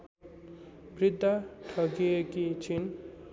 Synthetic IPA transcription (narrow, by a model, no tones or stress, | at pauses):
brid̪ʱːaʈʰʌkiekit͡sʰin